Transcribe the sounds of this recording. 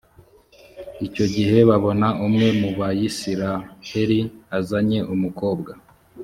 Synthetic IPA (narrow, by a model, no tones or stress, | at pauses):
ico̞ɟiɦe̞βaβo̞naʔumŋe̞muβajisiɾahe̞ɾiazaɲe̞ʔumuko̞ːbɡa